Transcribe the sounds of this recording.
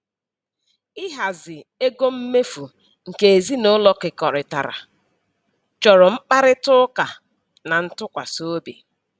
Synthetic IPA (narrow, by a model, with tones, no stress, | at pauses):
ɪ˦ɦa˨zɪ˨e˦ɡo˦m̩˦me˦fu˨ | ŋ̩˨ke˨e˨zi˦nʊ˦lɔ˦kɪ˨kɔ˨ɾɪ˨ta̰˨ɾa̰˨ | t͡ʃɔ˨ɾɔ˨ŋ͡m̩˦k͡pa˦ɾɪ˦tʊ˦ka˨ | na˨n̩˦tʊ˦kʷa̰˨so˦bḭ˨